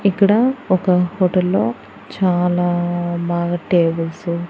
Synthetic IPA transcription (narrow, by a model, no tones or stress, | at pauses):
ikːɐɽɐɔkɐhoːʈɐlːo̞ː | t͡ʃaːlaːbaːɡɐʈeːbɐlsu